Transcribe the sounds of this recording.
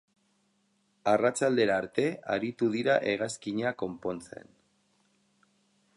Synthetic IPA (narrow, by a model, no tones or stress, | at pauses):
arat͡sald̪e̞ɾaːɾt̪e̞a̰ɾit̪uðiɾa̰ʔe̞ɣaskiɲako̞mpo̞nt͡se̞̰n